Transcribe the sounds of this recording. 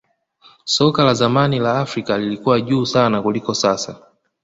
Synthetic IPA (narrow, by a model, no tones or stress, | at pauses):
sɔkalazamanilaːfɾikalilikuwaʄuːsanakulikɔsasa̰